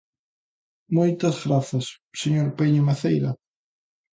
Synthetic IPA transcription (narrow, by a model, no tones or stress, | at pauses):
mojt̪ɐzɣɾaθɐsːeɲoɾpeɲʊmaθejɾɐ